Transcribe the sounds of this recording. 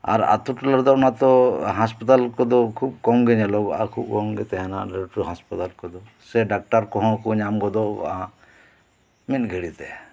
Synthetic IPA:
a̰ɾa̰t̪uʈulaɾd̪ɔɔnat̪ɔɦãspɔt̪alkɔd̪ɔkʰub̚kɔŋɡɛɲɛlɔɡɔʔa̰kʰub̚kɔŋɡɛt̪ɛɦɛnaɖɛɾʈuɦãspat̪alkɔd̪ɔ | sɛɖak̚ʈaɾkɔɦɔ̃kuɲamɡɔd̪ɔɔ̰aã | mit̪̚ɡʱɛɽit̪ɛ

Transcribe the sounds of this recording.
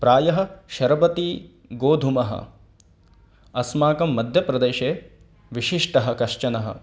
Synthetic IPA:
pɾaːjɐɦɐ̆ʃɐɾbɐt̪i | ɡoːd̪ʱumɐɦɐ̰ | ɐsmaːkɐmːɐd̪ʱjɐpɾɐd̪eːʃeː | ʋiʃiʂʈɐɦɐ̆kɐʂt͡ʃɐnɐɦɐ̰

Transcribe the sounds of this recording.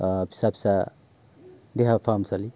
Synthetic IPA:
pʰi̥sapʰi̥sa | deɦapʰamsali

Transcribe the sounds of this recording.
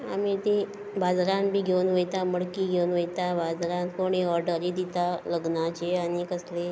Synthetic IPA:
a̰mit̪i | bad͡zɾãnbʱiːɡʱewnʋəjt̪aməɽkiɡʱewnʋəjt̪abad͡zɾãnkoɽ̃iːɔɾɖəɾiːd̪it̪aləɡnat͡ɕeañikəsle

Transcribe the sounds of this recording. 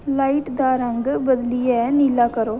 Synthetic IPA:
laːiʈd̪aːɾə̃ŋɡbəd̪liɛnilaːkəɾoː

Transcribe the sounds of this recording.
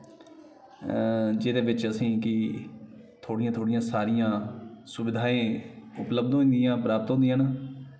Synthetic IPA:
d͡ʒɪd̪eːʋɪt͡ʃəsĩːkɪ | t̪ʰoːɽijãːt̪ʰoːɽɪjãːsaːɾɪjãːsʊbɪd̪ʱaːẽːʊpləbd̪õĩnd̪ɪjãːpɾaːpət̪ɦõnd̪ijãːnaː

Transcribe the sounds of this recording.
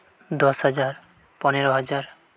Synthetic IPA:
d̪ɔsɦad͡ʑaɾ | pɔneɾoɦad͡ʑaɾ

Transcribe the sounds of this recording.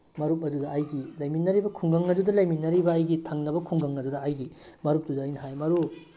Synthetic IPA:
mɐɾup̚ɐduɡɐːjɡilɐjminːɐɾibɐkʰuŋɡɐŋɐdudɐlɐjminːɐɾibɐːjɡitʰɐŋnɐbɐkʰuŋɡɐŋɐdudɐːjɡimɐɾup̚tudɐːjnɐɦajmɐɾu

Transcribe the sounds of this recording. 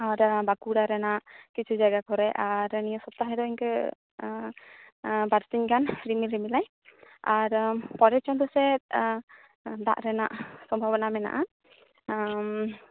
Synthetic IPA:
aɾbakuɽaɾɛnaʔkit͡ʃʰud͡ʒaɡakɔɾɛʔaɾnijɔsɔp̚t̪aɦɛd̪ɔiɲkə | baɾsiɲkanɾimilɾimilaj | aɾpɔɾɛt͡ʃɔnd̪ɔsɛt̪̚ | d̪a̰ʔɾɛna̰ʔsɔmbʱabnamɛna̰ʔa

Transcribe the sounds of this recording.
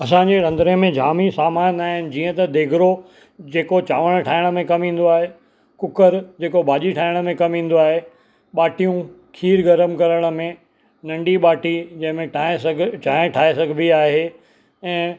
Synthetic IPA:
ɐs̬ãːɲd͡ʑeɾɐ̃nd̪ɾiəmẽd͡ʑʱaːmisaːmaːnaːɦɪnɪ̆d͡ʑiːə̃t̪ɐd̪eːɡʱɾo | d͡ʑeːkot͡ɕaːʋəɽ̃ʈʰaːɪɽ̃ə̆mẽkɐmɦĩːn̆d̪oaːɦe | kʊkəɾd͡ʑeːkobʱaːʄiʈʰaːɪɽ̃ə̆mẽkɐmɦĩːn̆d̪oaːɦe | ɓaːʈijũ | kʰiːɾɡɐɾəmkɐɾəɽ̃ə̆mẽ | nɐ̃ɳɖiɓaːʈid͡ʑɐ̃ɦɪ̃mẽʈʰaːesɡt͡ɕaːɪ̃ʈʰaːesɐɡʱbiaːɦe | ɛ̃ː

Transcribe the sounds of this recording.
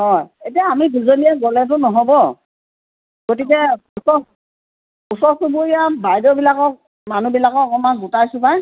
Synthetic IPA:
ɦɔjetijaːmiduzoliɛɡɔlɛt̬ʊnɔɦɔbɔ | ɡ̥otik̬ɛusɔ | usɔsubuijabajdɔbilakɔk̚ | manubilakɔkɔmanɡutajsʊ̃paj

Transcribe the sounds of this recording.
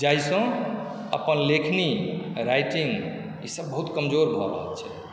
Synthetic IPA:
d͡ʒajsɔ̃ | ə̰pənlekʰniɾajʈĩŋɡ | isəb̚ːəɦut̪kəmd͡ʒoɾbʱɔɾə̰ɦə̰lt͡ʃʰɛ

